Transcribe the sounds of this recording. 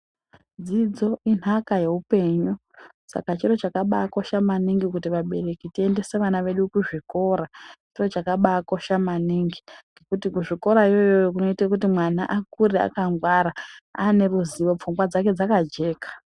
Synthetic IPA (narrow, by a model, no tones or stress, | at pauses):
d͡zid͡zo̞in̤akaje̞upe̞ɲu | sa̰kat͡ʃiro̞t͡ʃakaɓako̞ʃamaniŋɡikutiʋaɓe̞̰re̞kitie̞nde̞se̞ʋanaʋe̞ɗukuʐiko̞ɾat͡ʃiro̞t͡ʃakaɓako̞ʃamaniŋɡiŋɡekutikuʐiko̞ɾaijo̞jojok̬uno̞itakutimwana̰ʔakuɾia̰kaŋɡwaɾaane̞ruziʋo̞p͡fuŋɡwad͡zake̞d͡zakad͡ʒe̞ːkḁ